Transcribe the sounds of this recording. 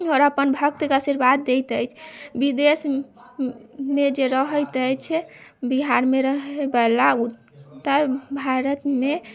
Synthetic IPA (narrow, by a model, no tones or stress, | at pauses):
ɔɾəpənbʱəkt̪kasiɾbad̪̚d̪ejt̪əjt͡ʃʰbid̪es | med͡ʒeɾəɦəjt̪əjt͡ʃʰɛbiɦaɾmeɾəɦebəlaut̪ːəɾbʱaɾət̪me